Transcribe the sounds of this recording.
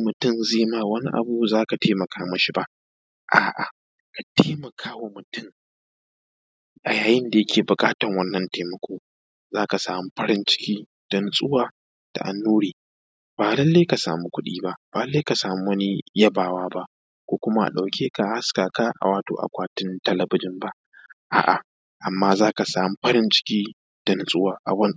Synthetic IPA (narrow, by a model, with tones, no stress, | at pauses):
mʊ˨tʊ˦˨mzeː˦maː˦wɐ˦ni˦ʔa̰˨bu˦zaː˦ka˨tʰeː˦mɐ˨kʰaː˦mɐ˦ʃi˦ba˦ʔ | ʔaː˨ʔa̰˨ | ka˨tʰeː˦mɐ˨kʰaː˦wa˨mʊ˨tʊ˦ŋ | ʔa˨jaː˨jɪ˦nda˨jɐ˦kʰʲeː˨bʊ˨kʼaː˦tɐ˨ŋwɐ˦nːɐ˨nteː˨mɐ˨kʷʰoː˦ | zaː˦ka˨saː˨mu˦ɸɐ˦ɾɪ˦nt͡ʃɪ̥˦kʲiː˦ | d̥ɔ˦nsʼʊ˦waː˨ | d̥a̰˨ʔa̰˨nːuː˦ɽiː˨ | b̥aː˨lɐ˦lːe˦ka˨sa̰ː˨mu˦kʷʊ˦ɗiː˦ba˦ʔb̥aː˨ɐ˦lːeː˦jka˨saː˨mu˦wɐ˦ni˦jɐ˦baː˨waː˦ba˦ʔ | kʷoː˦kʷʊ˦ma˦ʔa̰˨ɗa˨wkʲʰeː˦ka˨ha˦skaː˨ka˦ʔa̰˨waː˦to̰ː˦ʔa̰˨kʷaː˦tɪ˦ntɐ˦lɐ˨bɪ˦d͡ʒɪ˦mba˦ʔ | ʔa̰ː˨ʔa̰˨ | ʔa˨mːaː˦zaː˦ka˨saː˨mu˦ɸɐ˦ɾɪ˦nt͡ʃɪ̥˦kʲiː˦ | d̥ɔ˦n˦sʼʊ˦waː˦˨ʔa̰˨wɐ˦n